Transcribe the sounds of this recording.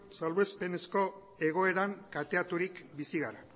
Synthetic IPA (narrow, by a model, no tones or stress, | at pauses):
salβe̞spe̞nesko̞ | e̞ɣ̞o̞e̞ɾaŋkat̪eat̪uɾikbisiɣaɾa